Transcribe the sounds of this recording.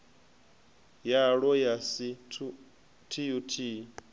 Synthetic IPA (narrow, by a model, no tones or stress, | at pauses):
jaɺɔjasitʰu | tʰiutʰi